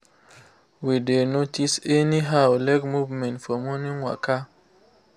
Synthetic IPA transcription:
widenotiseniɦawlɛkmuvmɛ̃ntfɔmoniŋwa̰ka

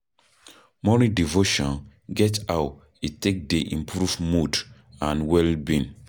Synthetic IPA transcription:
mɔnidivoʃɔ̃n | ɡɛtaʊ | itek̚deʔḭ̃mpʰɹuvmud | ãnwɛlbĩn

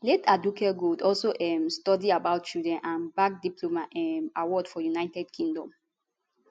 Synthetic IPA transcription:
lɛtadukɛɡodɔlsoʔɛmstɔdiabaʊtt͡ʃudɹɛ̃nʔãnbak̚diplomaɛmawɔdfɔjunaɪtɛdkʰĩŋdɔ̃m

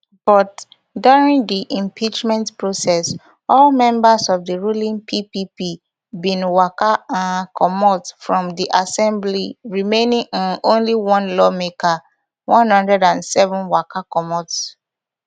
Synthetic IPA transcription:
b̥ɔt | duɹĩŋdiʔĩmpʰit͡ʃmɛ̃ntpɹosɛs | ɔlmɛ̃mbasɔvdəɹulĩŋpʰipipi | bĩnwakaãnkʰɔmɔtfɹɔ̃mdiʔasɛ̃mbliɹimẽnĩŋɔ̃nõnliwɔ̃nlɔmekʰa | wʔɔ̃nhʌ̃ndɹɛdãnsɛvɔ̃nwakakɔmɔts

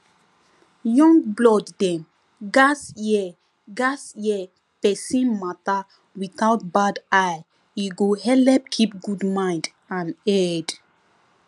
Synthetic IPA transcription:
jɔ̃ŋɡblɔdːɛ̃m | ɡasjɛ | ɡasjɛ | pɛsĩnmata | wiθawt̚badaj | iɡohɛlɛp̚kʰipɡudmãj̃nd | ãnɛd

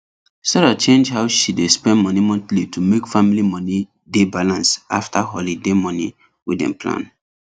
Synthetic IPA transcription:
sɛɾat͡ʃẽnd͡ʒhaʊʃidespɛ̃nmɔnimɔ̃ntlitʰumekfamilimɔni | debalãnsʔa̰ftʰaɦɔlidemɔni | widɛ̰̃mpʰlã̰n

